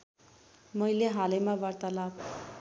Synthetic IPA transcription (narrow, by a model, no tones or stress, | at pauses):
mʌjleɦalemabart̪alab̚